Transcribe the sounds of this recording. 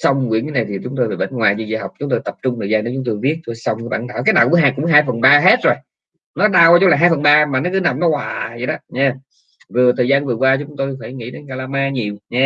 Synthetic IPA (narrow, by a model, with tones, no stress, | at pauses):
sa˧wŋ͡mkwi˧˥əna˨na˨˩jt̪ʰi˨˩t͡ɕʊ˨˦ŋ͡mt̪o˧jveː˨˩ɓə̰˧˨˦ŋŋwaː˨˩jt͡ɕi˧zḭ˧˩ɦa˨˩wk͡p̚t͡ɕʊ˨˦ŋ͡mt̪o˧jt̪ə˨˩p̚t͡ɕʊ˧ŋ͡mt̪əː˨˩jzaː˧ne˨˦t͡ɕʊ˨˦ŋ͡mt̪o˧jvi˦˥ət̚t̪o˧jsa˧wŋ͡mŋ˧˦ɓa̰˧˩nɗa̰ː˧˨˩kaː˨˦jnaː˨˩ku˧˥˦ɦaː˧˨˩kʊ̰˧˥ŋ͡mɦaː˧jfə˨˩nɓaː˧ɦe˦˥t̚zo˨˩j | nɔ˨˦ɗaː˧wa˧t͡ɕlaː˨˩ɦaː˧jfə˨˩nɓaː˧maː˨˩nɔ˨˦˥kɨ˨˦na˨˩mnɔ˨˦hwaː˨˩zə̰˨˩jɗɔ˨˦ɲɛ˧ | vɨ˨˩ət̪ʰəː˨˩jzaː˧nvɨ˨˩əkwaː˧t͡ɕʊ˨˦ŋ͡mt̪o˧jfa˧˩jŋḭ˧˥ɗe˨˦nkaː˧laː˧maː˧ɲi˨˩əwɲɛ˧